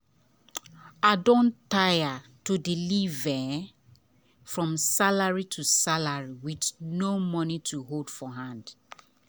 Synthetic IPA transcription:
adɔ̃ntajatudilivɛ | fɹɔ̃msalaɹitʰusalaɹiwitnomɔnitʰuɦoldfɔɦãnd

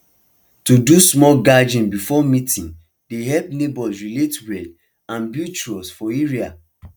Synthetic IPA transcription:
tudusmɔlɡad͡ʒĩnbifɔmitĩn | deɦɛlpnebɔlsɹiletwɛd | ãnbjut͡ʃuɔsfɔeɹia̰

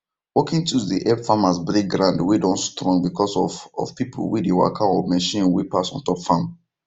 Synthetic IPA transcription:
wɔkĩŋtudiʔɛfamasbɾek̚ɡɹãndwidɔ̃nstɹɔ̃ŋbikʰɔsɔfɔ̰fpipʰo̰lwidewa̰kʰãɔmɛʃĩnwipasɔ̃ntɔpfãm

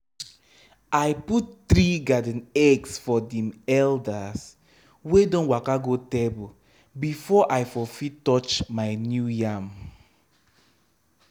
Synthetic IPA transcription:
ajputtɾiɡadə̃nɛɡsfɔdɛ̃mɛldas | wedɔ̃nwakaɡotebu | bifɔʔajfɔfitɔt͡ʃmajnjujãm

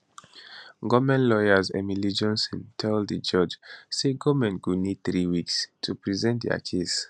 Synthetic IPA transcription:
ɡɔmɛ̃nlɔjazɛmilid͡ʒɔ̃nsɔ̰̃ntʰɛldid͡ʒɔd͡ʒseɡɔmɛ̃nɡunid̚θɹiwikstʰupɹizɛ̃ntdɛ̰a̰kʰes

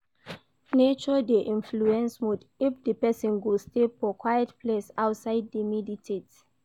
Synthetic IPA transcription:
net͡ʃɔdeʔĩnfluɛ̃nsmud | ifdəpɛsɔ̃nɡudstefɔkwajətpʰlesaʊtsaɪddəmiditʰet

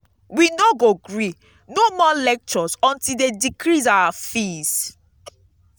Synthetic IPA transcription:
winoɡoɡɹi | nomɔlɛk̚t͡ʃɔsɔ̃ntildedikɹizawafis

